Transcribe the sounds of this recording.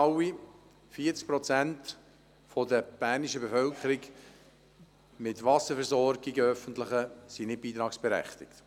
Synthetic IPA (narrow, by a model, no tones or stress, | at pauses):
ɑwi | fiːət͡sk̚pɾɔt͡sænt̪ | fɔdəb̥æːɾniʃəbefœlkχəɾik | mɪt̪ʋɑsəfɛɾzɔɾɡiɡəœfəntləɪχəsinɪt̚b̥iːt̪ɾɑːksb̥eɾæ̰χt̪ɪkt̪